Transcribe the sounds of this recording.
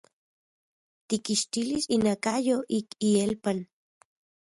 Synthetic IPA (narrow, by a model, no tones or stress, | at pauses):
t̪ikiʃt̪ilisinakajoʔikielpan